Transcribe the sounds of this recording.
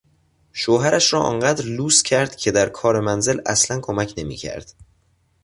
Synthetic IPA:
ʃoːɦæɾʔæʃɾɒːʔɒ̰ːnɢæːd̪ɾluːscʰæɾd̪̥cʲʰe̞d̪æɾkʰɒːɾe̞mænze̞læslænkʰomæcʰne̞mḭːcʰæ̰ɾd̪̥

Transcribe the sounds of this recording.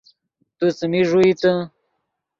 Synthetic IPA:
t̪ut͡səmiʐuit͡sə

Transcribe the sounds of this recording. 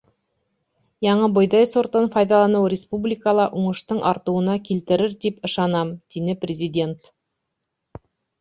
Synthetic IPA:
jɑɴɤbŏjðɑjsŏɾt̪ɤnfɑjðɑlˠɑnɤwɾʲɪspublʲikəlˠɑʔuɴɤ̆ʃt̪ɤɴʔɑɾt̪ɤ̆wɤ̆nɑkilt̪ɘ̆ɾɘɾt̪ipɤ̆ʃɑnɑmd̪̥inɘprʲɪzʲɪdʲe̞nt̪

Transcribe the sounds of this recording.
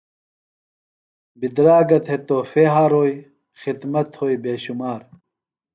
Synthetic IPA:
bid̪ɾaːɡɐt̪ʰhet̪oːfeːɦaːɾoːj | xid̪mɐt̪hoːjbeːɕumaːɾ

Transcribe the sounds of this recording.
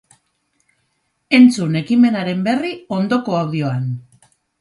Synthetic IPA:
e̞nt͡sune̞kime̞naɾe̞mbe̞rio̞nd̪o̞ko̞awðio̞an

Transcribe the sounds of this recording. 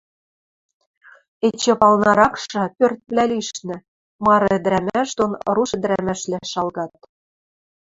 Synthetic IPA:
et͡ɕĕpɑlnɑɾɑkʃɤ̆pørt̪̚βlʲæliʃnɘ̆ | mɑɾɤ̆ɘ̆d̪ɾæmæʃd̪onruʃɘ̆d̪ɾæmæʃlæʃɑlɣɑt̪̚

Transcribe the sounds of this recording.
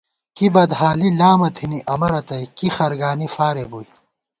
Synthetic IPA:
kibɐd̪ɦaːlilaːmɐt̪ʰiniʔɐmɐɾɐt̪ɐjkixɐɾɡaːnifaːɾebuj

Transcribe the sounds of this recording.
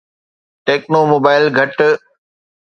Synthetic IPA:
ʈeːknomoːbaːɪlɡʱɐʈ

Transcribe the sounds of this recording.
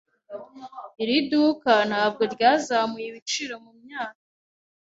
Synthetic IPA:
iɾidukanhaːbɡo̞ɾɟaːzamujiβit͡ʃiːɾomumɲaːkḁ

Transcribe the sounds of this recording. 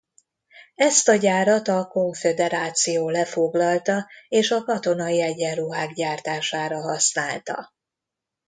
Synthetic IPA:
ɛst̪ɒɟaːɾɒt̪ɒko̞ɱfed̪ɛɾaːt̪sijoːlɛfo̞ɡlɒlt̪ɒeːʃɒkɒt̪o̞nɒjiɛɟɛnruɦaːɡɟaːrt̪aːʃaːɾɒɦɒsnaːlt̪ɒ̰

